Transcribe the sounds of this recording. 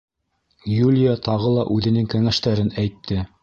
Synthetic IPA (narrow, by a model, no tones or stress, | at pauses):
julʲɪjat̪ɑʁɤlˠɑʔʉðɘ̆nɘŋkæŋæʃt̪æɾɘnæjt̪ʰːɘ